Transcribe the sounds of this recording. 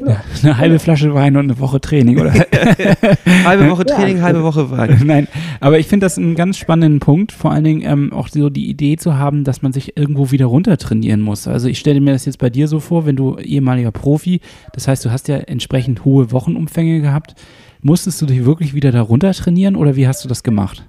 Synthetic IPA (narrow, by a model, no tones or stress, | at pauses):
nənəɦalbəflaʃ̬əvaɪnʊntnəvɔχətʁ̥ɛːnɪŋʔo̰ːɾɐ | halbəvɔχətʁ̥ɛːnɪŋhalbəvɔχəva̰ɪnaɪnʔaːbɐɪçfɪndədasnɡansʃpanəndənpʰʊŋk̚tfoːɐʔa̰ləndɪŋənʔɛ̰ːmʔa̰ʊxzoːdḭːʔḭdeːt͡suɦaːbm̩dasmanzɪçʔɪɐɡŋ̩tv̥oːviːdɐʁʊntɐtʁ̥ɛnḭːʁənmʊsʔa̰lzoɪçʃtɛləmiːɐɾasjɛt͡stb̥aɪdiːɐzoːfoːɐvɛnduːʔḛːəmaːlɪɡɐpʁ̥oːfi | d̥ashaɪstd̥uːɦastjaːʔɛ̰ntʃpʁ̥ɛçn̩thoːəvɔχn̩ʔʊmfɛŋəɡəɦhaːp̚t | mʊstəst̚d̥uːdɪçv̥ɪɐklɪçv̥iːdɐdaʁʊntɐtʁ̥ɛniːʁənʔo̰ːɾɐviːɦastd̥uːdasɡ̥əma̰χt